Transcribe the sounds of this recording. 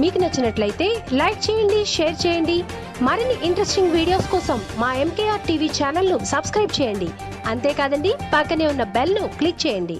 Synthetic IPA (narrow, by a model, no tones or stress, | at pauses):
miːkunɐt͡ʃːɐnɐʈlɐjit̪e̞ːlɐjk̚t͡ʃɛːjɐɳɖiʃeːɾt͡ʃɛːjɐɳɖi | maɾinːiʔiɳʈɾesʈiŋɡʋiːɽijoːskɔːsɐmːaːe̞mkeːjaːɾʈiːʋiːt͡ʃaːnɐlnusɐbskɾɐjb̚t͡ʃɛːjɐɳɖḭ | ɐnt̪e̞ːkaːd̪ɐɳɖipakːɐne̞ːunːɐbelnuklik̚t͡ʃɛːjɐɳɖḭ